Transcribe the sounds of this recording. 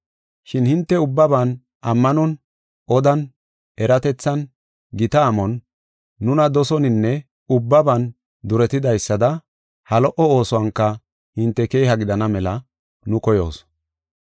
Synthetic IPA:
ʃɪnhɪnt̪ːɛʊbːɐbɐn | ʔɐmːɐnɔn | ʔɔd̪ɐn | ɛɾɐt̪ɛt͡sːɐn | ɡɪt̪ɐːmɔnː | ʊnɐd̪ɔsɔnɪnːɛ | ʊbːɐbɐn | d̪ʊɾɛt̪ɪd̪ɐjsːɐd̪ɐ | hɐlɔʔɔoːsɔwɐŋkːɐ | hɪnt̪ːɛke̞ːhɐɡɪd̪ɐnɐmɛlɐ | nʊkɔjo̞̰ːs

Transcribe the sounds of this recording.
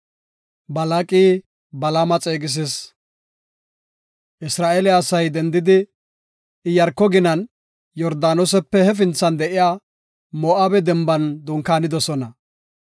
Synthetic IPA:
bɐlaːkʼiː | bɐlamɐt͡sʼeːɡɪs̬ɪs | ʔɪsɾaːʔelɛɐsɐjd̪ɛnd̪ɪd̪ɪ | ɪjɐɾkːɔɡɪnɐn | jɔɾd̪aːnɔs̬ɛpːɛhɛfɪnt͡sːɐnd̪ɛʔɪjaː | moːʔabɛd̪ɛmbɐnd̪ʊŋkaːnɪd̪ɔsɔnɐ

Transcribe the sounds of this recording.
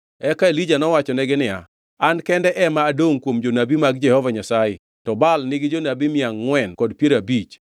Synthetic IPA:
ɛkaelid͡ʒanɔwat͡ʃɔnɛɡɪnɪja̰ː | nkɛndɛʔɛmaːdoŋkwomd͡ʒonabimaɡ̚d͡ʒɛhɔvaɲasaɪ | tɔbalnɪɡɪd͡ʒonabimɪaŋːwɛnkɔdpjeɾabit͡ʃ

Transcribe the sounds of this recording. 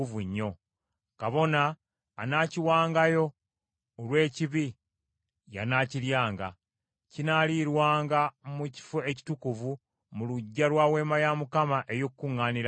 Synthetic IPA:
uvuɲːo̞ | kaβo̞naː | naːciwaːŋɡajo̞ː | lwe̞ːciβi | ja̰naːciljaːŋɡa̰ | cinaliɾwaːŋɡamuci̥fueci̥tukuvu | muluɟːalwaːwe̞ːmajamukamaʔe̞jokkːuŋːaːniɾa

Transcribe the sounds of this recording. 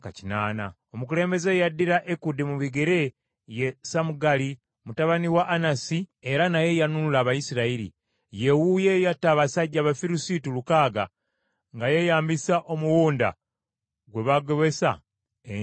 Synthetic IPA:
ka̰cinaːna̰ | o̞mukule̞ːmbe̞ze̞jadːiɾaʔekudimuβiɡe̞ɾe̞ | jesamuɡali | mutaβaniwaʔːnasie̞ɾanaje̞januulaːβajisiɾaiɾḭ | je̞wuje̞jatːaβasaɟːaβafiɾusitulukaːɡa̰ | ŋɡaje̞jaːmbisaʔo̞muwuːnda̰ | ɡwe̞βaɡo̞βe̞sa̰ | e

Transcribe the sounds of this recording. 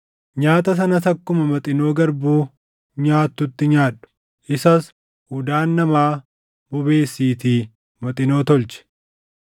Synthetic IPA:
ɲaːt̪ɐs̬ɐnɐt̪ɐkːʊmɐmɐt̪ʼɪno̞ːɡɐɾbuː | ɲaːt̪ːʊt̪ːɪɲaːᶑʊ̥ | ʔɪsɐs | hʊd̪aːnːɐmaː | bʊbe̞ːsːiːt̪iː | mɐt̪ʼɪno̞ːt̪ɔlt͡ʃɛ̥

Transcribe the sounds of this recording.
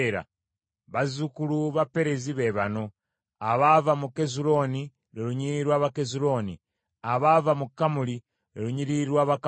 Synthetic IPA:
ɾa̰ | βazukuluβape̞ɾe̞ziβe̞βano̞ | aβavamuke̞zulo̞ni | ɾeɾuɲiɾiɾwaːβakezuɾo̞nḭ | aβavamukːamuli | ɾeɾuɲiɾiɾwaːβak

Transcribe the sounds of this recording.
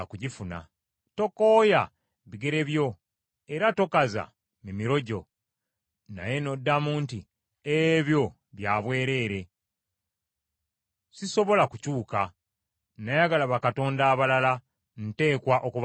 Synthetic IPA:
kuɟifuna̰ | to̞ko̞ːja | βiɡe̞ɾe̞βjo̞ | e̞ɾato̞kaza̰ | mimiɾo̞ɟo̞ | na̰je̞no̞dːamuːnti | eβjo̞ | βjaːβwe̞ːɾe̞ːɾe̞ | siso̞βo̞lakucuːka | najaɡalaβakato̞ːndaːβalala | n̩te̞ːkwaʔokuβ

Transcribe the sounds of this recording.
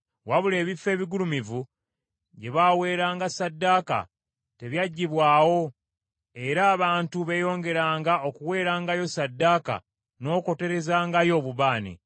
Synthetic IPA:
waβule̞ːβifːe̞ːβiɡulumivu | ɟe̞βawe̞ːɾaːŋɡasadːaːka̰ | te̞βjaɟːiβwaːwo̞ | e̞ɾaːβaːntuβe̞jo̞ːŋɡe̞ɾaːŋɡao̞kuwe̞ːɾaːŋɡajo̞sadːaːka̰ | no̞ːko̞te̞ɾe̞zaːŋɡajo̞ːβuβaːnḭ

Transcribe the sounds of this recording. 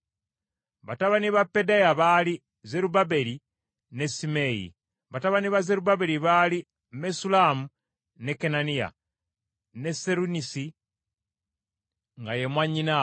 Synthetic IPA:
βataβaniβapːedajaβali | ze̞ɾubabe̞li | ne̞simejḭ | βataβaniβaze̞ɾubabeɾiβali | mesulamu | ne̞kenanija̰ | ne̞seɾunisi | ŋɡajemwaɲina

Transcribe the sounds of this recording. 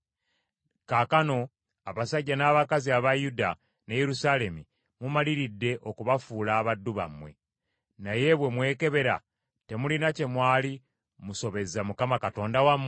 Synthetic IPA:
kakano̞ | aβasaɟːanaːβakaziaβajuda | nejeɾusale̞mi | mumaliɾidːe̞ʔo̞kuβafuːlaːβadːuβa̰mwe̞̰ | naje̞βwe̞mwe̞ːke̞βe̞ɾa̰ | te̞mulinace̞mwaːli | muso̞βe̞zamukamakato̞ːndawamː

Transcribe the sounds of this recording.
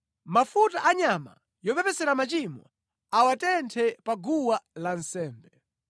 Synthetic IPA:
mafutaʔaɲama̰ | jɔpɛpɛsɛɾamat͡ʃimwa̰ | awatɛntʰɛpaɡuwalansɛːmbɛ

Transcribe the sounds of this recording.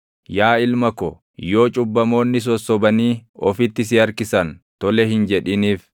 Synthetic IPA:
jaːɪlmɐkɔ | jo̞ːt͡ʃʼʊbːɐmo̞ːnːɪs̬ɔsːɔbɐniːɔfɪt̪ːɪs̬ɪɐɾkɪsɐnt̪ɔlɛhɪnd͡ʒɛᶑɪniːf

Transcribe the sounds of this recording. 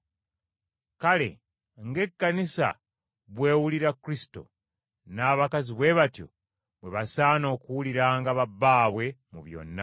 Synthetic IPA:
kale̞̰ | ŋɡe̞kːanisa̰ | βwe̞ːwuliɾakːuɾisi̥to̞̰ | naːβakaziβwe̞βatjo̰ | βwe̞βasaːno̞ːkuwuliɾaːŋɡaβabːaːβwe̞muβjo̞̰nːa̰

